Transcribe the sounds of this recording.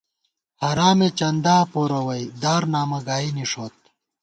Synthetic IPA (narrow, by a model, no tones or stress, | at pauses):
hɐɾaːmet͡ɕɐnd̪aːpoɾɐwɐjd̪aːɾnaːmɐɡaːiniʂoːt̪̚